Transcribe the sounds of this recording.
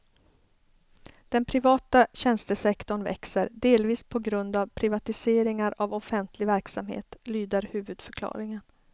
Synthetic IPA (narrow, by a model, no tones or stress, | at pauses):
d̪̥ɛnpʰɾɪvɑːt̪aɕɛnst̪əsɛkt̪ɔɳvɛ̰ksəɾɖ̪eːlviːspʰɔɡɾɵnd̪avpʰɾɪvat̪ɪseːɾɪŋaɾavɔfɛnt̪ʰlɪvæɾksamhḛːt̪lyːd̪əɾhʉ̟ːvɵd̪fœɾkʰlɑ̰ːɾɪŋən